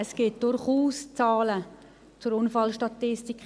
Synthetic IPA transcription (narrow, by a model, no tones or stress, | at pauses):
əsɡ̥ɪt̚d̥ʊɾχuːst͡saːlə | t͡sʊɾʊnfɑlʃtɑtːɪstik